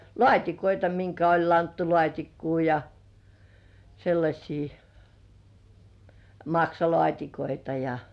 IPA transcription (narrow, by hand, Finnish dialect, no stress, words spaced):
lŏɑˑtʲikoitɑ miŋkæ olʲ lɑntːulŏɑˑtʲikːuː jɑ selːɑsʲiː mɑksɑlŏɑˑtʲikoitɑ jɑ